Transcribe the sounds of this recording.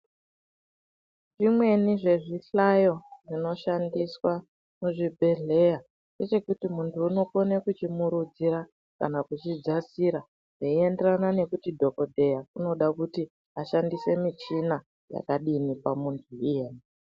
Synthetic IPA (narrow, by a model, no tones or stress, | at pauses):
ʐimwe̞niʐe̞ʐiɬajo̞ʐino̞ʃandiswa | muʐibʱe̞ɮe̞ja | nde̞t͡ʃe̞kutimuntʰuːno̞konekut͡ʃimuɾud͡ziɾa | ka̰nakut͡ʃid͡zasiɾa | ʐaie̞nderanane̞kutidʱo̞ko̞dʱe̞jakuno̞ɗakuti | aʃandise̞mit͡ʃina | ja̰kaɗinipamuntʰuijeːni